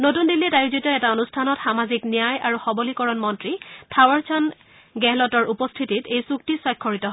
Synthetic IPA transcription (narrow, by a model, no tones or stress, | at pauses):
notundilːitajuzitɔɛtaonustʰanɔtxamaziknijajaɹuxɔbɔlikɔɹɔnmɔntɹitʰawaɹt͡ʃʰɔn | ɡɛlɔtɔɹupɔstʰititejsuktisɔjkʰːɔɹitɔɦɔ